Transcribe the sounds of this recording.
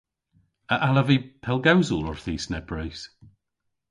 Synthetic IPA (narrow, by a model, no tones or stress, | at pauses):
əʔaləvipʰɛlˠɡawzəlˠɔɹθiːsnɛbɹejs